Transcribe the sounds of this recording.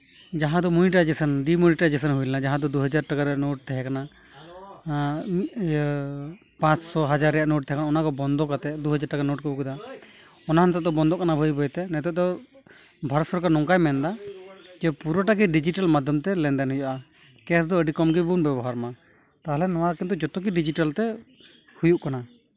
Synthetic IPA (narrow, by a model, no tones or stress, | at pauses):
d͡ʒaɦãd̪ɔmujiʈad͡ʒɛsənɖimuɾiʈad͡ʒɛsənɦujlɛnad͡ʒaɦãd̪ɔd̪uɦad͡ʒaɾʈakaɾɛaʔnoʈ̚t̪ɛɦɛkana | pãt͡ʃsɔɦad͡ʒaɾɛjaʔnoʈ̚t̪ɛɦɛkanaɔnakɔbɔnd̪ɔkat̪ɛd̪uɦad͡ʒaɾʈakanoʈ̚kɔbukud̪a | ɔnanɛt̪ɛd̪ɔbɔnd̪ɔʔkanabʱəjbɔjt̪ɛnɛt̪ɔʔ̚d̪ɔ | bʱaɾɔt̪sɔɾkanɔŋkajmɛnd̪ad͡ʒɛpuɾɔʈaɡɛɖid͡ʒiʈalmad̪ʱjɔmt̪ɛlɛnd̪ɛnɦujaʔa | kɛs̬d̪ɔəɖikɔmɡibunbɛbɔɦaɾma | t̪aɦlɛnɔwaɾkɛnd̪ɔd͡ʒɔt̪ɔk̬iɖid͡ʒiʈalt̪ɛ | hujuʔkana